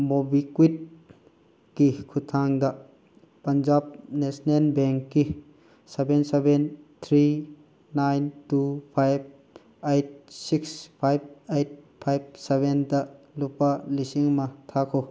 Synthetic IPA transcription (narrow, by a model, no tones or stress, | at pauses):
mobikwit̚ | kikʰutʰaŋdɐ | pɐnd͡ʒab̚nesnelbɛŋkːi | sebensebent̪ʰɾi | najntupʰajb̚ | ejt̚sikspʰajb̚ejt̚ | pʰajb̚sebendɐ | lupalisiŋmɐt̪ʰakʰo